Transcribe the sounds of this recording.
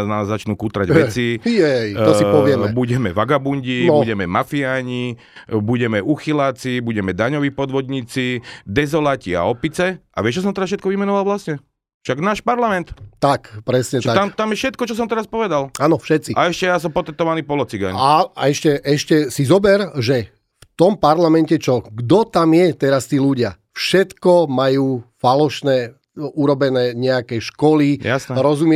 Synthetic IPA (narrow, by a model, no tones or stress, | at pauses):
nazːat͡ʃnuːkuːt̪ɾaɟʋɛt͡sijɛj̪ɔsiɔʋɪɛmɛbuɟɛmɛʋaɡabuɲɟiɔbuɟɛmɛmafiaːɲi | buɟɛmɛʔuxilaːt͡sibuɟɛmɛd̪aɲɔʋiːpɔd̪ʋɔd̪ɲiːt͡sid̪ɛzɔlacia̰ɔpit͡sɛʔa̰ʋɪɛʃt͡ʃɔs̬ɔmt̪ɛɾasfʃɛt̪kɔʋimɛnɔʋalʋlasɲɛ | fʃaɡnaːʃpaɾlamɛnt̪t̪akpɾɛsɲɛt̪at̪amt̪amjɛfʃɛt̪̚kɔt͡ʃɔs̬ɔmt̪ɛɾaspɔʋɛd̪alaːnɔfʃɛt̪t͡siʔaɛʃcɛjas̬ɔmpɔt̪ɛt̪ɔʋaniːpɔlɔt͡siɡa̰ɲaaɛʃcɛʔɛʃcɛsizɔbɛɾʒɛ | ft̪ɔmpaɾlamɛncɛt͡ʃɔɡd̪ɔt̪amjɛt̪ɛɾast̪iːluɟɪa̰ | fʃɛt̪kɔmajuːfalɔʃnɛː | uɾɔbɛnɛːɲɛakɛʃkɔlijasnɛɾɔzumɛ